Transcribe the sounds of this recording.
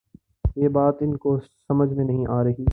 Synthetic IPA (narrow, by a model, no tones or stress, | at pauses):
jeːbaːt̪ɪnkosɐməd͡ʒʱmẽnɐɦĩʔaːɾɐɦiː